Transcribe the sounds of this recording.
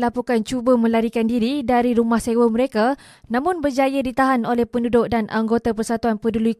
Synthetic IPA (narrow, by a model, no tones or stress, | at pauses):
lapukant͡ʃubəmə̃laɾikandiɾidaɾiɾumahsewəmə̃ɾeka | nãmʊ̃nbərd͡ʒajədit̪aɦanolɛhpəndudʊʔ̚danʔa̰ŋɡot̪apərsat̪uanpədului